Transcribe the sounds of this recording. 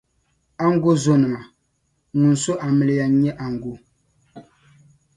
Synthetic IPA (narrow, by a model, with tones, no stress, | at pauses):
a˦ŋ˦ɡo˦zo˦nɨ˨ma˨ | nu˨n̩˨so˦ʔa˨mɨ˨lɨ˨ja˨˦ɲɛ˦ʔa˨ŋ˨ɡo˦